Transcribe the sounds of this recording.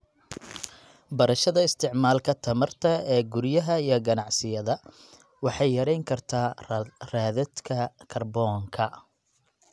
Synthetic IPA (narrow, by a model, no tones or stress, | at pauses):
bɐɾɐʃɐðɐɪst̪ʰɪʕmaːlkʰɐt̪ʰɐmɐrt̪ʰɐɛːɡʊɾjɐɦɐijɞɡɐnɑʕsɪjɐðɐ | wɑħɑjːɐɾɛjŋkʰɐrt̪ʰaːraːðɐd̪kʰɐkʰɐrbɔːŋkʰɐ